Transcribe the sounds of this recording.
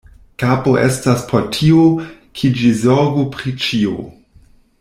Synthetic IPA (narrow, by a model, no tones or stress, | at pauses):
kapoʔestaspʰotʰiokʰid͡ʒizoɾɡupɾit͡ʃio̰